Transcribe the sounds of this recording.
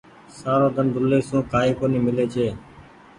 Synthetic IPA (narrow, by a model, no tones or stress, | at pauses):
saːɾõːd̪ʱənd̪ʱʊlːeːsũːkaːɦiːkoːniːmɪleːt͡ʃʰeː